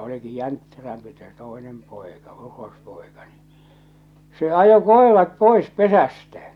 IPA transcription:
oliki jæntːeræmpi se toˑenem poˑekɑ urospoˑekɑ ni se ɑjo koˑerɑt poˑes pesæstæ

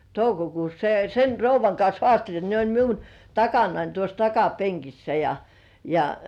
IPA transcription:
toukokuːs se sen rouʋˑɑŋ kɑns hoɑˑstelʲ ne olʲ miun tɑkɑnɑin tuos tɑkɑpeŋkisːæ jɑ jɑ

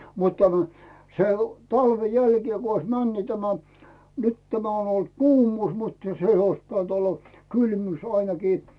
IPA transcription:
mut tæmæ se o tɑlʋe jælkie ku ois mæn ni tæmæ nyt tæmæ on olt kuːmuːs mutːɑ̥ se ois pit̆ænt olːɑ kylmyːs ɑinɑkiː

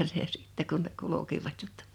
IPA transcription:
jɑ si̥ˑtːe kun ne kulu̞kiʋɑt jotːɑ̥

